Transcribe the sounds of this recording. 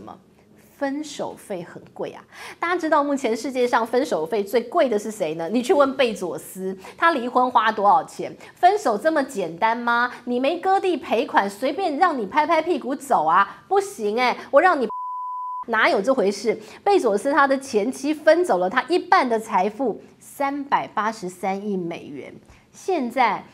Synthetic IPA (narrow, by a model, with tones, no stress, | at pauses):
mə̰˨˩ | fə˥nʂo˨˩ʊfe˥˩ɪxə˨˩nkwe˥˩ɪa̰˩t̪a˥˩t͡ɕa˥ʈ͡ʂɻ̩˥t̪ɑ˥˧ʊmu˥˩t͡ɕʰjɛ˧˥nʂɻ̩˥˧t͡ɕjɛ˥˧ʂɑ˥˧ŋfə˥nʂo˨˩ʊfe˥˧ɪt͡swe˥˧ɪkwe˥˩ɪd̪ə˩ʂɻ̩˥˩ʂe˧˥ɪnə˦ni˨˩t͡ɕʰy˥˧wə˥˧npe˥˩ɪt͡swɔ˨˩sɹ̩˥t̪ʰa˥li˧˥xwə˥nxwa˥t̪wɔ˧˥ɑ˨˩ʊt͡ɕʰjɛ˧˥n | fə˥nʂo˨˩ʊt͡sə˥˩mə˩t͡ɕjɛ˨˩nt̪a˦˥nma˨ni˨˩me˧˥ɪkɤ˥t̪i˥˩pʰe˧˥ɪkʰwa˨˩nswe˧˥ɪpjɛ˥˧nɻɑ˥˩ŋni˨˩pʰa˥ɪpʰa˥ɪpʰi˥˩ku˧˥t͡so˨˩ʊɐ˦pu˥˩ɕi˧˥ŋe˧˩wɔ˨˩ɻɑ˥˩ŋni˨˩ | na˧˥jo˨˩ʊʈ͡ʂo˥˩xwe˧˥ɪʂɻ̩˥˩pe˥˩ɪt͡swɔ˨˩sɹ̩˥t̪ʰa˥d̪ə˨t͡ɕʰjɛ˧˥nt͡ɕʰi˥fə˥nt͡so˨˩lə˦t̪ʰa˥ʔi˥˧pa˥˩nd̪ə˨t͡sʰa˧˥ɪfu˥˩ | sa˥npa˨˩ɪpa˥ʂɻ̩˧˥sa˥ni˥˩mḛ˨˩ɪɥɛ̰˧˥n | ɕjɛ˥˧nt͡sa˥˩ɪ